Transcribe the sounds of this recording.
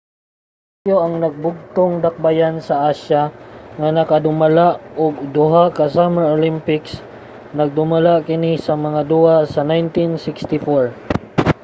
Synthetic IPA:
a | joʔɐŋnɐɡ̚bʊɡ̚t̪oŋd̪ɐk̚bajansɐʔaʃaŋanɐkad̪ʊmalaʔʊɡ̚d̪ʊɦakɐsamɛɹolimpɪks | nɐɡ̚d̪ʊmalakɪnisɐmɐŋad̪uhasɐnajnt̪insɪkst̪ɪfoɹ

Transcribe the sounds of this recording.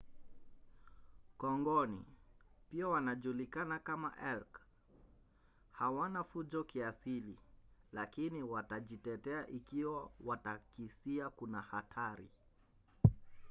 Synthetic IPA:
kɔŋɡɔnḭpiawanaʄulikanakama̰ʔɛlk | hawanafuʄɔkiasililakiniwataʄitɛtɛaʔikiwawatakisiakunahatʰaɾḭ

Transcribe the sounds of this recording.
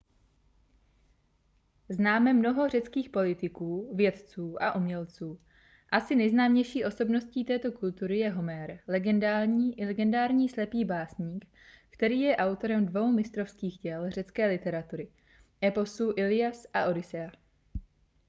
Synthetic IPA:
znaːmɛmno̞ɦo̞r̝ɛt͡skiːxpo̞lɪt̪ɪkuːvjɛt̪t͡suːʔaʔumɲɛlt͡suː | ʔasɪnɛjznaːmɲɛjʃiːʔo̞so̞bno̞sciːt̪ɛːt̪o̞kult̪uɾɪjɛɦo̞mɛɾlɛɡɛndaːɾɲiːʔɪlɛɡɛndaːɾɲiːslɛpiːbaːsɲiːk | kt̪ɛɾiːjɛʔawt̪o̞ɾɛmdvo̞wmɪst̪ɾofskiːxɟɛlr̝ɛt͡skɛːlɪt̪ɛɾat̪uɾɪ | ʔɛpo̞suːʔɪlɪjasʔaʔo̞ɾɪsɛa

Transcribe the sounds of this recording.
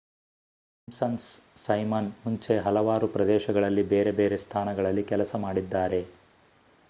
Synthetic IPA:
ɐmsɐnsː | ɐjmɐnmuɲt͡ʃe̞ɦɐlɐʋaːɾupɾɐd̪ɛːʃɐɡɐɭɐlːibeːɾe̞beːɾe̞st̪ʰaːnɐɡɐɭɐlːikɛlɐsɐmaːɽid̪ːaːɾe̞

